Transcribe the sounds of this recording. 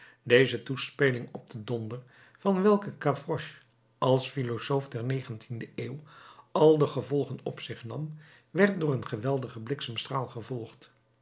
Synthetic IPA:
dejzətuspelɪŋɔb̚dədɔndər | vɑnʋɛlˠkəkavrɔʃ | ʔɑlˠsfilosowfdɛɹnejχəntʰindəʔeːwɑlˠdəχəvɔlˠχənɔ̰psɪχnɑm | ʋɛɹt̚dʊːrənχəʋɛlˠdəχəblɪksamstraːlˠχəvɔlˠχt

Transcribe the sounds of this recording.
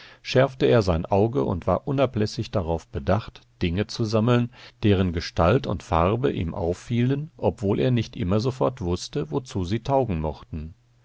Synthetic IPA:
ʃɛɐftəeːɐzaɪnʔaʊɡəʔʊ̰ntv̥aːɐʔʊnaplɛsɪçd̥aʁaʊfb̥ədaχtd̥ɪŋət͡suzaml̩nd̥eːʁ̞ənɡəʃtʰaltʊ̰ntfaʁɐbəʔḭːmʔa̰ʊfːiːlənʔɔpv̥oːlʔḛːɐnɪçtʔɪmɐzofɔɐtv̥ʊstəvot͡suːziːtʰaʊɡŋ̩mɔχtn̩

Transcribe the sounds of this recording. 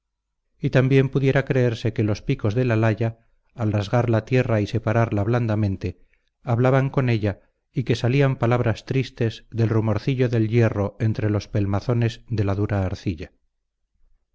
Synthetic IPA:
it̪ambje̞mpuðje̞ɾakɾe̞eɾse̞ke̞lo̞spiko̞zðelalaʎaː | lrazɣaɾlat̪je̞raise̞paɾaɾlaβland̪amẽ̞nt̪e̞ | aβlaβaŋko̞ne̞ʎa | ike̞saliampalaβ̞ɾast̪ɾist̪e̞zðe̞lrumo̞ɾθiʎo̞ðe̞lʎe̞ro̞e̞nt̪ɾe̞lo̞spe̞lmaθo̞ne̞zðe̞laðuɾaːɾθiʎa

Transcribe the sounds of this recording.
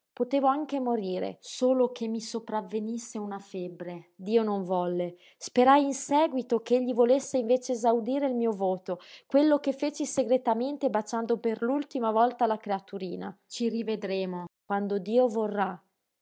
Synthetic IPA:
pot̪eːvoaŋkemoɾiːɾḛsoːlokʰemːisopɾavːenisːeunafebɾed̪iːonoɱvɔlːe | speɾajinsɛːɡwit̪okeʎːivolesːeiɱveːt͡ʃeːzawd̪iːɾeilmiːovoːt̪okwelːokefːeːt͡ʃiseɡɾet̪ament̪ebat͡ʃand̪operlult̪imavɔlt̪alakɾeat̪uɾiːnat͡ʃirived̪ɾeːmokwand̪od̪iːovorːa

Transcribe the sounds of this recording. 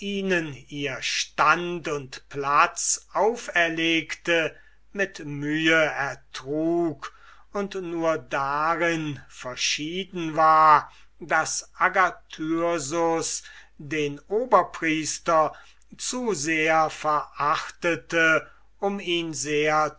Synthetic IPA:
ʔiːnəniːɐʃtantʊntplat͡sʔaʊfɛɐleːktə | mɪtmyːəɛɐtʁ̥uːk | ʊntnuːɐdaʁɪnfɛɐʃiːdn̩vaːɐ | dasʔaɡatʰyzʊsdeːnʔoːbɐpʁ̥iːstɐ | t͡suzeːɐfɛɐʔaχtətə | ʔʊmiːnzeːɐ

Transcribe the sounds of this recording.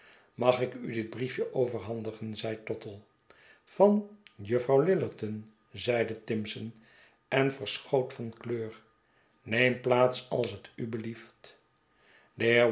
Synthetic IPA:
mɑχɪkydɪd̚brifjəʔowvəɹɦɑndəχənzɛjtɔtəlˠ | fɑnjəfrɑwlɪləɹtən | zɛjdətɪmsən | ɛnfəɹsχowtfɑnkløːɹ | nejmplaːtsɑlˠsətybəlift | dəɦɪː

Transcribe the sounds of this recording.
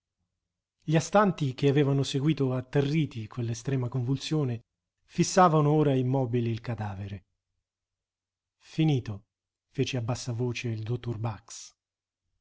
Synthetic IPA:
ʎiast̪ant̪ik̟eavɛːvanoseɡwiːt̪oat̪ːerːiːt̪ikʰonlːest̪ɾɛːmakoɱvult̪sjoːne | fisːaːvanooːɾaimɔːbiliːlkad̪aːveɾe | finiːt̪o | feːt͡ʃeabːasːavoːt͡ʃeild̪ot̪ːorbaks

